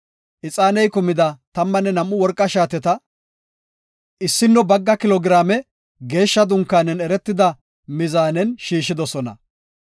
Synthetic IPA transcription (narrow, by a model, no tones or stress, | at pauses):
ʔɪt͡sʼaːnɛjkʊmɪd̪ɐt̪ɐmːɐnːɛnɐmːʊwɔɾkʼːɐʃaːt̪ɛt̪ɐ | ʔɪsːɪnːɔbɐɡːɐkɪlɔɡɪɾaːmɛ | ɡe̞ːʃːɐd̪ʊŋkːaːnɛnɛɾɛt̪ːɪd̪ɐ | mɪzaːnɛnʃiːʃːɪd̪ɔsɔnɐ̰